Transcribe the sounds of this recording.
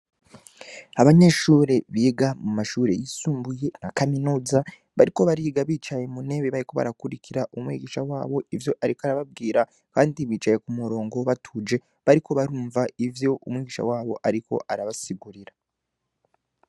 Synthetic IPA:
aβaɲe̞ːʃuːɾe̞βiːɡamumaʃuːɾe̞̰jisuːmbuje̞nakaminuːza | βaɾiko̞βaɾiːɡaβiːt͡ʃaje̞mune̞βeβaɾiko̞βa̰ɾakuɾikʰiɾaʔumwḭːɡiːʃawaːβo̞ivjo̞ʔaɾikoaɾaβab̚ɡiːɾa | kaːndiβiːt͡ʃaje̞kumuɾo̞ːŋɡo̞βatʰuːd͡ʒe̞ | βaɾikʰo̞βaɾuːɱvaivjo̞ʔumŋiːɡiːʃa̰waːβo̞ʔaɾiko̞̰ʔaɾaβasiɡuɾiɾa

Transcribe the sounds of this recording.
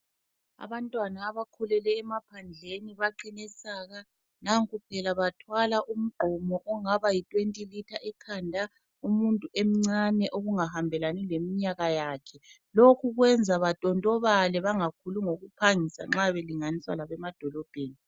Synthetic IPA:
a̰βantʼwanaːβakʰulɛlɛːmapʰand͡ɮʱeniβaǃinɛsaːɣa | naŋkʰʼupʰɛlaβatʰwalaʔum̩ɡ͡ǃʱɔmɔʔɔŋaβajitʼwentʼilitʰaʔɛkʰandʱa | umuntʼuʔem̩ŋ͡ǀanɛʔoɣuŋahambʱɛlanɛlemiɲaɣajaːkʰɛ | lokʰuɣwɛnd͡zʱaβatʼɔntʼɔβalɛβaŋakʰuluŋoɣupʰaŋisa̰ŋ͡ǁaβeliŋaniswa̰laβɛmad̥ʱɔlɔb̥ʱeːni

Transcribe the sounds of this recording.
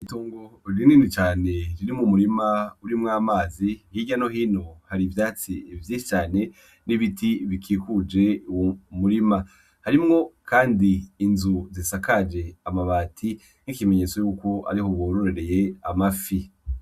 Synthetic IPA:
ituːŋɡoɾininit͡ʃaːne̞ɾiɾimumuɾimauɾimŋaːmaːzihiːɟano̞ɦiːno̞haɾivjaːt͡sivjiʃi̥t͡ʃaːne̞ | niβitiβikʰiːkud͡ʒe̞uwomuɾima | haɾimŋo̞kʰaːndiːnzuzisakad͡ʒe̞amaβaːtʰi | nikimeɲet͡so̞juːko̞a̰ɾiho̞βoɾoɾeɾe̞je̞amafi

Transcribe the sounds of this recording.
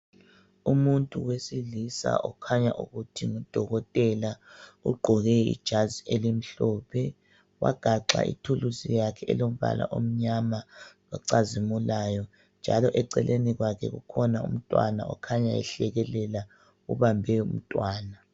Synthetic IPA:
umuntʼuwesilisa̰ʔɔkʰaɲaʔuɣutʰiŋud̥ʱɔɣɔtʼɛlauɡ͡ǃʱɔɣɛḭd̥ʒ̥ʱazielim̩ɬɔːpʰɛ | wʔa̰ɡ̥ʱaǁa̰ʔḭtʰulusijakʰɛɛlom̩βa̰lʔa̰ʔom̩ɲamawaǀazimulajɔ | nd͡ʒʱalɔʔɛǀɛlʔeniɣwakʰɛɣṵkʰɔnaum̩tʼwa̰na̰ɔ̰kʰaɲajɛ̰ɬɛɣɛlɛla | uβambʱɛum̩tʼwaːna

